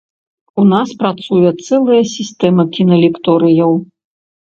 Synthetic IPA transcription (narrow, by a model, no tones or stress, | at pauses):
unaspɾat̪sujɛt̪sɛlˠɨjɐsʲist̪ɛmɐkʲinɐlʲikt̪ɔɾɨjɐw